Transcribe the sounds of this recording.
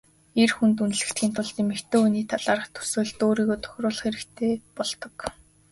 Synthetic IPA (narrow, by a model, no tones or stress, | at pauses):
erxunt̪̬un̆ɮɘ̆kt̪ɡʲiːnt̪ʰʊɮt̪emĕkt̪ʰeːuniːt̪ʰaɮaːɾə̆χt̪ʰu̥sʊːɮt̪oːɾiːɣoːt̪ʰɔ̥xʲrʊːɮ̆χeɾɘ̆kt̪ʰeːpɔɮt̪ɞ̆k